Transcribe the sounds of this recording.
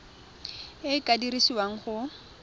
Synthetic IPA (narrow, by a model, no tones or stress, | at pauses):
ɪkʼadirisiwaŋ̩χʊ